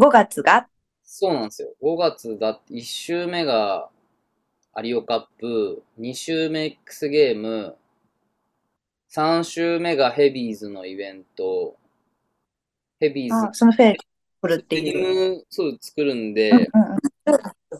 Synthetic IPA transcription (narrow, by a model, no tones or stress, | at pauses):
ɡo̞ɡat͡sɨɡa | so̞ːnãsɨjo̞̰ɡo̞ɡat͡sɨd̪at̪iɕːɨːme̞ɡa | a̰ɾʲio̞kapːɯ̟ɲ̟iɕɨːme̞ːkːɯ̥sɨɡe̞ːmɯ̟ | sãɰ̃ɕɨːme̞ɡahe̞bʲiːzɨno̞ibẽ̞nt̪o̞ | he̞bʲiːaːso̞noɸeː | kɯ̟ɾɯ̟t̪ːeiɯsot͡sɨ̥kɯ̟ɾɯ̟̃nd̪e̞ɯ̃ɯ̃ɴɯ̃a